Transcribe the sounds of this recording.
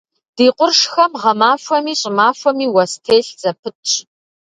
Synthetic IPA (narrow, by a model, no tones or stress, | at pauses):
d̥iːqʷʊrʂxɐmʁɐmaːfʷɐmiːɕʼɪmaːfʷɐmiːwɐstʰeːɬz̥ɐpʰɨtʰɕʼ